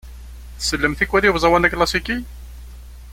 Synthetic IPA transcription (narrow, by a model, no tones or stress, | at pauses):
θsəlːəmθikʷːwæɾiwzˤɑwænæklɑsiki